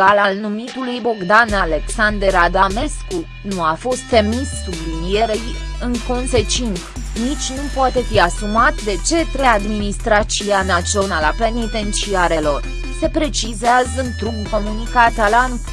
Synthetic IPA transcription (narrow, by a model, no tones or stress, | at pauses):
alalnumit̪ulujbo̞ɡd̪anale̞ksand̪e̞ɾad̪ame̞sku | nuafo̞st̪ːe̞missublimije̞ɾejɨŋko̞nse̞t͡ʃint̪snit͡ʃʲnupoat̪e̞fiasumat̪d̪e̞t͡ʃe̞t̪ɾejad̪minist̪ɾat͡ʃianat͡ʃionalape̞nit̪e̞nt̪ʃiaɾelo̞r | se̞pɾe̞t͡ʃizeazɨnt̪ɾubko̞munikat̪alan